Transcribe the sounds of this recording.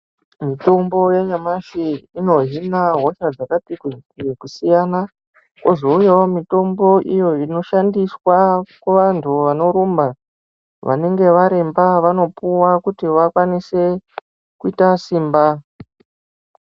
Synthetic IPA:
mito̞mbo̞jeɲamaʃiino̞ɦinaɦo̞ʃad͡zakapikiekusijana | ko̞zo̞ujaomito̞mbo̞ʔijo̞ino̞ʃandiswakweʋantʰuʋano̞ɾumba | ʋʔa̰ne̞ŋɡe̞ʋaɾe̞mbaʋano̞puwakutiʋakwanise̞ | kuitasiːmba

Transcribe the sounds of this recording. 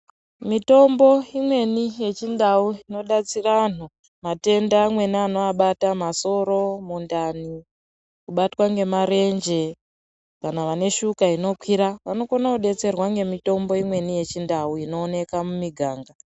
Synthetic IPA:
mito̞mbo̞imwe̞nije̞t͡ʃindauino̞ɗat͡sirano | mate̞ndamwe̞niano̞aɓatamaso̞ɾo̞mundani | kuɓatwaŋɡe̞maɾe̞nd͡ʒe̞ | kanaʋane̞ʃukaino̞kwiɾaʋano̞konauɗe̞t͡se̞rwaŋɡe̞mito̞mbo̞imwe̞nije̞t͡ʃindauino̞ːne̞kamumiɡʱaːŋɡa

